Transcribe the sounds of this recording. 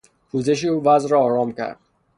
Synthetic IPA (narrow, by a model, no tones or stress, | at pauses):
pʰuːze̞ʃ̬euːvæzɾɒːɒːɾɒːmcʰæ̰ɾd̪̥̚